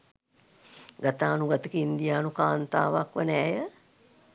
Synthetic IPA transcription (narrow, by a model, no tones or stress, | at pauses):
ɡat̪aːnuɡat̪əkiind̪ijaːnukaːnt̪a̰ːʋakʋənɛːjə